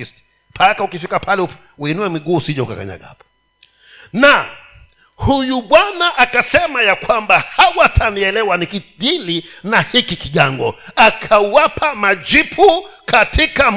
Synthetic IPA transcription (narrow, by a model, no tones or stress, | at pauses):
st | pʰakaukifikapʰalɛu | uinuɛmiɡuːsiʄɔuka̰ka̰ɲa̰ɠaapɔ̥ | na | hujuɓwanaʔakasɛmajakwambahawatʰaniɛlɛwanikiɗilinahikikiɠaŋɡɔakʰawapʰamad͡ʒipʰukʰatʰikam